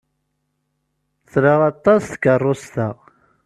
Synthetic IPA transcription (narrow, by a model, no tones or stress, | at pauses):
θɾəʁɑt̪ˤːɑsθkərˤːost̪aʁ